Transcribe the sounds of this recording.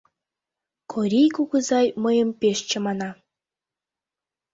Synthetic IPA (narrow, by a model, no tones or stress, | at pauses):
kʰoɾʲijkuɣə̆zɑjməjɤ̆mpʲeʃt͡ɕə̆mɑnɑ